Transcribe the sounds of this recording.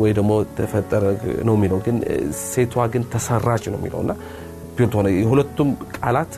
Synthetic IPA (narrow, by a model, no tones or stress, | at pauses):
wɔjd̪əmo̞t̪ʰəfət̪ʼːəɾənəwmːiləwɡɨnset̪ʰwaɡɨnt̪ʰəsərːat͡ʃːnə̰wmːḭlə̰wɨ̰nːa | pilt̪honəjɛhulət̪ːumkʼalat̪